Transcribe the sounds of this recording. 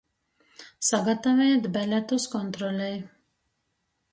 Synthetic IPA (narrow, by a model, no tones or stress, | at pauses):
saɡat̪avɛjt̪bælʲæt̪uskɔnt̪ɾɔlʲɛj